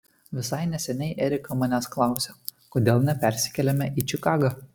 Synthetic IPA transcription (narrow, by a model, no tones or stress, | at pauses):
ʋʲɪsɐɪnʲɛsʲɛnʲɛɪʔɛɾʲɪkɐmɑːnʲæːsklˠɑˑʊsʲokoːd̪ʲeːlˠnʲɛpʲæɾʲsʲɪ̥kʲɛlʲɛmʲɛʔiːt͡ʃʲɪkɑːɡɐ